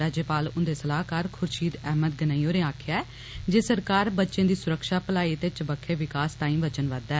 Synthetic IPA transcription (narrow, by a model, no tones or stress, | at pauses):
aːd͡ʒəːpaːlʊnd̪eːsəlaːɦkəɾkʰʊɾʃiːd̪ɛːməd̪̚ɡənaːioːɾẽaːkʰjaːɛː | d͡ʒeːsəɾkaːɾbətːʃẽːd̪iːsʊɾəkʃaːpəlaːiːət̪eːt͡ʃəbəkʰːeːʋɪkaːst̪aːĩːʋət͡ʃənʋəd̪ɛː